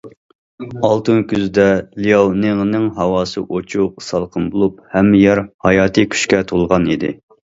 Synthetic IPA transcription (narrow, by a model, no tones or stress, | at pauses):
ɑlˠt̪ɨnkʲʰyzd̪ɛlijɑwneŋnɨŋɦɑwɑːsɨ̰ʔot͡ʃʰusɑlˠqʰənbolˠup̚hɛmːɪjɑɾhɑjɑːt̪ʰɨkʲʰy̥ʃkʲɛt̪ʰolˠʁɑnid̪ɪ̰